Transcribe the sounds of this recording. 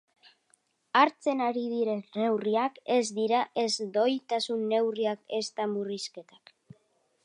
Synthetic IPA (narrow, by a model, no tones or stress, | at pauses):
aɾt͡se̞naɾiðiɾe̞ne̞wriake̞zd̪iɾaʔe̞zd̪o̞jt̪asunːe̞wriake̞st̪amuriske̞t̪ḁk